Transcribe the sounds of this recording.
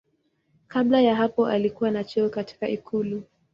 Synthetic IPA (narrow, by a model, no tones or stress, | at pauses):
kaɓlajaɦapɔʔalikuwanat͡ʃɛɔkati̥kaʔikʰulu